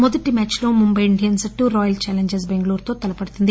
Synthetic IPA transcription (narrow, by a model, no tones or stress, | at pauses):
mɔd̪ɐʈimaːt͡ʃloːmumbɐjiɳɖijɐnsʈːuɾɔːjɐlt͡ʃaːleɲd͡ʒes̬beŋɡluːɾt̪oːt̪ɐlɐpɐɽut̪und̪i